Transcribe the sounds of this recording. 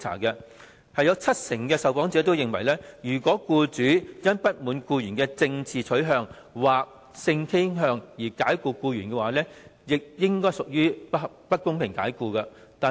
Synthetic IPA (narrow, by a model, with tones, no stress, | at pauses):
t͡sʰa̰ː˨˩kɛ˧ | hɐ˨jɔː˨˥wt͡sʰɐ˥t̚sɪ˨˩ŋkɛː˧sɐ˨wpɔː˨˥ŋt͡sɛː˨˥t̪o˥wjɪ˨ŋwɐ˨˩jlɛː˥jyː˨˩kʷɔː˨˥kuː˧t͡ʃyː˨˥jɐ˥npɐ˥t̚muː˨˧˥nkuː˧jyː˨˩nkɛː˧t͡sɪ˧ŋt͡sʰiː˨t͡sʰɵ˨˥ɥɦœː˧ŋ | waː˨k̚ | sɪ˧ŋkʰe˥ɦœː˧ŋjiː˨˩kaː˨˥jkuː˧kuː˧jyː˨˩nkɛ˧waː˨˦lɛː˥jɪ˨k̚jɪ˥ŋkɔː˥jsʊ˨k̚jyː˥ | pɐ˥t̚kːʊ˥ŋpʰɪ˨˩ŋka̰ː˨˥jkuː˧kɐ˧t̪aː˨